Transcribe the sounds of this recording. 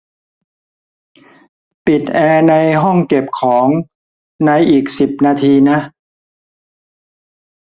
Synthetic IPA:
pi˨˩t̪̚ʔɛː˧na˧jɦɔ˥˩ŋke˨˩p̚kʰɔː˩˦ŋ | na˧jʔiː˨˩k̚si˨˩p̚naː˧t̪ʰiː˧na˦˥ʔ

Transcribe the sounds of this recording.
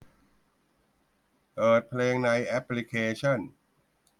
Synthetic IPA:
pɤː˨˩t̪̚pʰleː˧ŋna˧jʔɛ˦˥pli˦˥kʰeː˧t͡ɕʰɔ˥˩n

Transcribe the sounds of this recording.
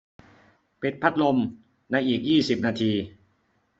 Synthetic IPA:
pi˨˩t̪̚pʰa˦˥t̪̚lo˧m | na˧jʔiː˨˩k̚jiː˥˩si˨˩p̚naː˧t̪ʰiː˧

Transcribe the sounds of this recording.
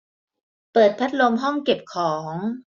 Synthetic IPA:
pɤː˨˩t̪̚pʰa˦˥t̪̚lo˧mɦɔ˥˩ŋke˨˩p̚kʰɔː˩˦ŋ

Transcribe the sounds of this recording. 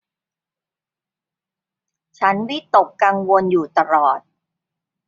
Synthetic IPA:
t͡ɕʰa˦˥nwi˦˥t̪o˨˩kːa˧ŋwo˧njuː˨˩t̪a˧ɾɔː˨˩t̪̚

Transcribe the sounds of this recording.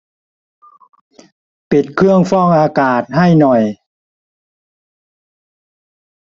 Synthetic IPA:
pi˨˩t̪̚kʰɯ˥˩əŋfɔː˥˩ŋʔaː˧kaː˨˩t̪̚ha˥˩jnɔ˨˩j

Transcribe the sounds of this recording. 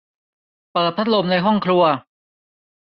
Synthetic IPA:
pɤː˨˩t̪̚ʰa˦˥t̪̚lo˧mna˧jɦɔ˥˩ŋkʰɾu˧ɐ

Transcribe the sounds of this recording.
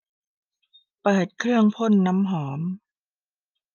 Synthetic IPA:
pɤː˨˩t̪̚kʰɾɯ˥˩əŋpʰo˥˨nːa˦˥mɦɔː˩˦m

